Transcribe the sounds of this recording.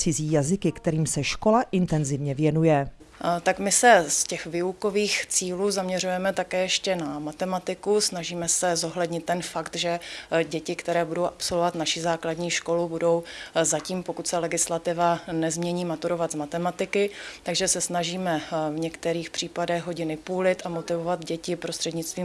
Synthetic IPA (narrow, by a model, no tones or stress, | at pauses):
t͡sɪziːjazɪkɪkt̪ɛɾiːmsɛʃko̞laʔɪnt̪ɛnzɪvɲɛvjɛnujɛ | t̪akmɪsɛscɛxvɪuko̞viːxt͡siːluːzamɲɛrujɛmɛt̪akɛːjɛʃcɛnamat̪ɛmat̪ɪkusnaʒiːmɛsɛzo̞ɦlɛdɲɪt̪̚ːɛnfakt̪ʒɛɟɛcɪkt̪ɛɾɛːbudowʔapso̞lvovat̪naʃɪzaːkladɲiːʃko̞lubudo̞wzaciːmpokut̪sɛlɛɡɪslat̪ɪvanɛzmɲɛɲiːmat̪uɾo̞vad̪zmat̪ɛmat̪ɪkɪt̪aɡʒɛsɛsnaʒiːmɛvɲɛkt̪ɛɾiːxpr̝̥iːpadɛɣɦoɟɪnɪpuːlɪt̪amo̞t̪ɪvovad̪ɟɛcɪpɾost̪r̥ɛdɲɪt͡st̪viːm